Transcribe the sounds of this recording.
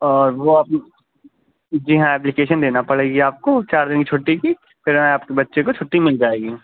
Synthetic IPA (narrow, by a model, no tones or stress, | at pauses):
ɔːɾʋoaːp | d͡ʒɪɦãɛːp̬lɪkeːʃənd̪eːnapɐɽeːɡiaːp̚kot͡ʃaːɾd̪ɪnkit͡ʃʰoːʈːiki | pʰɪɾɛ̃aːpkebɐtːʃekot͡ʃʰoʈːimɪld͡ʒaːeːɡiː